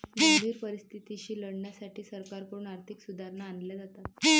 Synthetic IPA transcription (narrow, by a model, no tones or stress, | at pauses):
ɡʱəndʱiːɾpəɾist̪ʰit̪iɕiːləɽɳjasaʈʰiːsəɾkaɾkoɾuːɳaɾt̪ʰiksud̪ʱaɾnaːnljad͡zat̪at̪̚